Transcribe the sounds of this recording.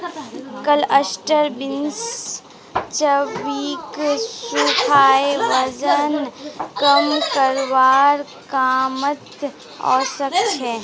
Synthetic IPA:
kələsʈəɾbɪns | t͡ʃəʋiːksukʰaːeʋəd͡ʒənkəmkəɾʋaːɾ | kaːmət̪ | ɔ̰ːsəkt͡ʃʰɛː

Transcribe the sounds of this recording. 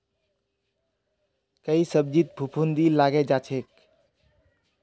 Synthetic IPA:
kəisəb̚d͡ʒit̪̚bʱupʰund̪ilaɡɛd͡ʒat͡ʃʰek̚

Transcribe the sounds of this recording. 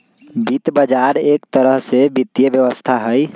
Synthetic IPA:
bit̪bəd͡ʒaɾekt̪əɾəɦsebit̪jəbjəʋəst̪ʰaɦəj

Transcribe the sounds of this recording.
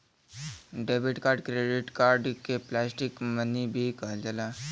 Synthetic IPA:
ɖeːbiʈkaːɾɖkɾeːɖɪʈkaːɾɖkeplɛːsʈɪkmənibʱikəɦd͡ʒəlaː

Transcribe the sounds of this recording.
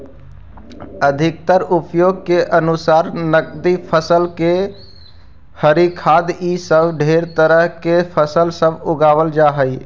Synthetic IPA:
əd̪ʱik̚t̪əɾupjoɡ̚keʔənusaɾnəkd̪ipʰəsəlke | həɾikʰad̪isəbʱɖʱeɾt̪əɾəɦkepʰəsəlsəbuɡabəld͡ʒaɦəj

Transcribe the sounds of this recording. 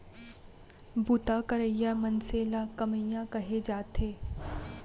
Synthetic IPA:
but̪akɐɾəjamɐnseːlakɐməjãkɐɦed͡ʒaːt̪eː

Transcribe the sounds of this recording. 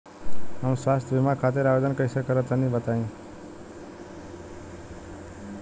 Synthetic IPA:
ɦamswast̪ʰjʌbʱimakʰat̪eɾabed̪ʌnkʌisʌkeɾʌt̪ʌnibʌt̪aĩ

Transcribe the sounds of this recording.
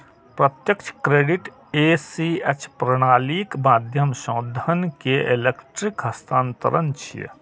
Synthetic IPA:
pɾət̪jəkt͡ʃʰkɾeːɖiʈ | esiet͡ʃʰpɾəɽ̃aːlikmaːd̪ʱjəmʃõːd̪ʱənkeʔelekʈɾikɦɐst̪ʰãːnt̪ə̰ɾənt͡ʃʰḭ

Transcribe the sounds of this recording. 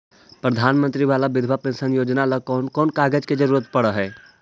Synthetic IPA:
pɾəd̪ʱaːnmə̃nt̪ɾiʋaːlabɪd̪ʱʋapẽnsənjoːd͡ʒnaləkːnkɔːnkaːɡəd͡ʒked͡ʒəɾuːɾət̪̚pəɽəɦɛː

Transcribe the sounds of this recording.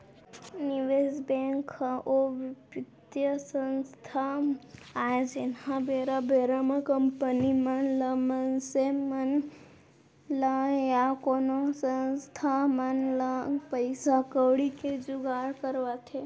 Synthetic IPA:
niʋezbẽŋkʰoʋpɪd̪jəsənst̪ʰa | aed͡ʒenhãbeɾabeɾaməkəmpənimanləmənsemən | ləjakonosənst̪ʰamanləpəjsakəwɽiked͡ʒuɡaɾkəɾʋat̪ʰe

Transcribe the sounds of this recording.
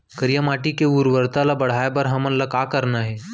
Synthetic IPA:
kəɾjamaʈikeuɾʋəɾt̪alabəɽ̤ajbəɾɦəmənləkakəɾnaɦe

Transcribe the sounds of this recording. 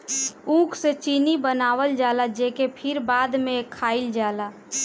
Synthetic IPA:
ũkʰset͡ʃinibənaʋəld͡ʒalad͡ʒekepʰiɾbad̪mekʰaild͡ʒala

